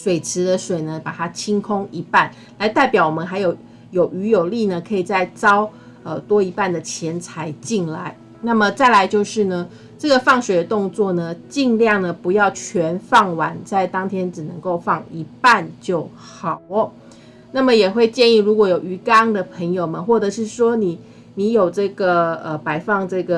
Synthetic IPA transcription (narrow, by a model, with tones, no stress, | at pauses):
ʂwe˨˩ɪt͡sʰɻ̩˧˥d̪ə˧ʂwe˨˩ɪnə˦pa˨˩t̪ʰa˦˥t͡ɕʰi˥ŋkʰo˥ŋi˧˥pa˥˩n | la˧˥ɪt̪a˥˩ɪpjɑ˨˩ʊwɔ˨˩mə˦nxa˧˥ɪjo˨˩ʊ | jo˨˩ʊʔy˧˥jo˨˩ʊli˥˨nə˩kʰɤ˧˥i˨˩t͡sa˥˩ɪt͡sɑ˥ʊ | ə˨t̪wɔ˥i˧˥pa˥˩nd̪ə˩t͡ɕʰjɛ˧˥nt͡sʰa˧˥ɪt͡ɕi˥˩nla˧˦ɪ | na˥˩mə˨t͡sa˥˩ɪla˧˦ɪt͡ɕjo˥˧ʊʂɻ̩˥˩nə˩ | ʈ͡ʂɤ˥˩ɡə˨fɑ˥˩ŋʂwe˨˩d̪ə˦t̪ʊ˥˧ŋt͡swɔ˥˩nə˩t͡ɕi˥˧ŋljɑ˥˩ŋnə˩pu˧˥jɑ˥˩ʊt͡ɕʰɥɛ˧˥nfɑ˥˩ŋwa˧˥nt͡sa˥˩ɪt̪ɑ˥ŋt̪ʰjɛ˥nʈ͡ʂɻ̩˨˩nə˧˥ŋko˥˧ʊfɑ˥˩ŋi˧˥pa˥˧nt͡ɕjo˥˩ʊ | xɑ˨˩ʊə˦ | na˥˩mə˨jɛ˨˩xwe˥˧ɪt͡ɕjɛ˥˧ni˥˩ɻu˧˥kwɔ˧˥jo˨˩ʊy˧˥kɑ˥ŋd̪ə˨pʰə˧˥ŋjo˨˩ʊmə˩xwɔ˥˩dɤ˨˩ʂɻ̩˥˩ʂwɔ˥ni˨˩˦ | ni˧˥jo˨˩ʊʈ͡ʂɤ˥˩ɡə˩ə˧˩pa˨˩ɪfɑ˥˧ŋʈ͡ʂɤ˥˩ɡə˩